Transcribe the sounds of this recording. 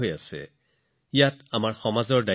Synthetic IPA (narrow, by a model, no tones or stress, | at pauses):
ojasɛ̰ | ijatamaɹxɔmazɔɹda